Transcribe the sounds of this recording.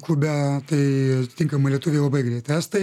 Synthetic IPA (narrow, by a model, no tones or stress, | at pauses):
klubʲæt̪ɐɪɐt̪ʲɪt̪ʲɪŋkɐmɐlʲiɛt̪ʊʋʲeːjlˠɐbɐɪɡɾʲɛɪt̪æst̪ɐɪ